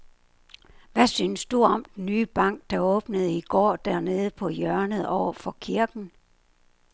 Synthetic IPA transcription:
ʋæsyːnsd̥uɒ̽md̥nːyːb̥ɑ̈ŋ̰ɡ̥̚d̥ɑ̈ɔ̽ːb̥nəð̞̩ˠiɡ̥ɒ̰ːd̥æɐne̝ːð̞ˠəpʰɒ̽jœɐnəð̩ˠɒʊ̰ɐfɒ̽kʰiɐɡ̥n̩

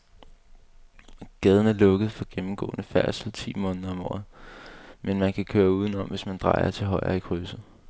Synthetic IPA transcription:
ɡ̥ɛð̞ˠn̩æɐlɔ̽ɡ̥əð̩ˠfɒ̽ɡ̥emm̩ɡ̥ɔ̰̽ːnəfæɐ̰sl̩t͡sʰḭːmɔ̽ːnð̩ˠɐɒ̽mɒ̰ːð̩ˠ | menmænkʰækʰøːɐuːð̞ˠənɒ̽mʋe̝smænd̥ʁɑ̈ɪ̰ɐ̰t͡sʰe̝ɦɒ̽ɪɐ̰ikʰʁysð̩ˠ

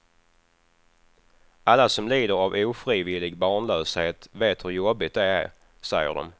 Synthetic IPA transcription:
ʔalːasɔmliːd̪əɾavuːfɾiːvɪlːɪɡbɑːɳløːsheːt̪veːt̪hɵɾjɔbːɪt̪̚d̪ɛæ̰ɾ | sɛjːə̰ɖɔ̰m

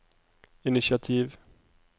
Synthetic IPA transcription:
ɪnɪʃɪat̪ʰiːv

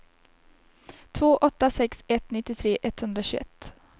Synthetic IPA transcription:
t̪ʰvoːʔɔt̪ːasɛksɛt̪nɪt̪ːɪt̪ʰɾeːʔɛt̪ːhɵnd̪ɾaɕʉ̰ːɛ̰t̪ː

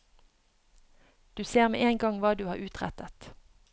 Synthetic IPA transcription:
d̪̥ʉːseːʁmḛːʔeːŋɡɑŋʋɑːd̪ʉːɑːʁʉːt̪ʁæ̰t̪ət̪

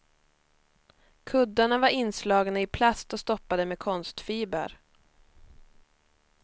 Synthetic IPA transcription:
kʰɵd̪ːaɳavaɾɪnːslɑːɡnaɪpʰlast̪ɔst̪ɔpːad̪əmɛkʰɔnst̪fiːbə̰ɾ

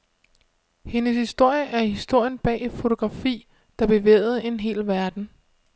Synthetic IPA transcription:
he̝nəshisd̥o̝ɐ̰jəʔæɐihisd̥o̝ɐ̰jənb̥ɛ̰ːfo̝t͡sʰoɡ̥ʁɑ̈fḭː | d̥ɑ̈b̥e̝ʋḛːð̞̩ˠe̝nɦe̝̰ːlʋæɐd̥n̩

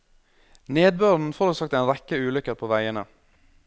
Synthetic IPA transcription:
neːd̪̚bøːɾn̩fɔɾəlsɑːkt̪æɪnɾɛkəʉːlʏkəɾpʰoːʋæɪənə̰

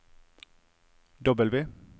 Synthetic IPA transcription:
d̪ɔbəlʋeː

